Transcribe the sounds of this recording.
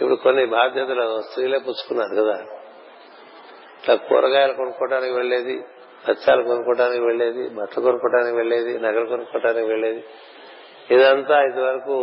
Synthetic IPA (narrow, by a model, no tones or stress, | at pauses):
ipuɽukonːibʱaːd̪ʱjɐt̪ɐlɐɐst̪ɾileːpuːt͡ʃːu̥kunːaːɾukɐd̪aː | iʈlaːkɔ̰ːɾɐkaːjɐlɐkonukɔːʈaːnikiʋeɭːe̞ːd̪ḭ | pɐt͡ʃːaːlɐkonukɔːʈaːnikiʋe̞ɭːe̞ːd̪ḭbɐt̪ɐlɐkonukɔːʈaːnikiʋe̞ɭːe̞ːd̪inɐɡɐlɐkonukɔːʈaːnikiʋe̞ɭːe̞ːd̪i | id̪ɐnt̪aːit̪̬iʋɐɾɐku